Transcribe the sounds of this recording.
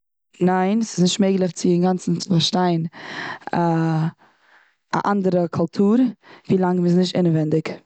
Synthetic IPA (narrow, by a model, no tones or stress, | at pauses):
naɪnsɪ̥znɪʃtmeɪɡlˠɛft͡sɪɪŋɡant͡sn̩faɾʃtaɪn | a | a̰ʔandəɾəkʰʊlˠtʰuːɾviːlˠaŋmɪs̬nɪʃ̬tɪnəvɛndɪk